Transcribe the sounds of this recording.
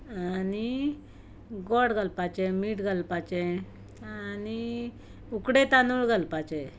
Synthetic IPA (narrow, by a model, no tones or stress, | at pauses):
ani | ɡɔɽɡəlpat͡ɕɛmiːʈɡəlpat͡ɕɛ̃ | ani | ukɽet̪anuɭɡəlpat͡ɕɛ